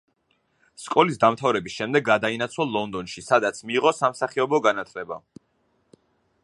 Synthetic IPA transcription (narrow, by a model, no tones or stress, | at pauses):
skʼɔlisd̪amt̪ʰavɾɛbisʃɛmd̪ɛɡːad̪ainat̪sʰwalɔnd̪ɔnʃisad̪at̪sʰmiːʁɔsamsaχiɔbɔɡanat̪ʰlɛba̰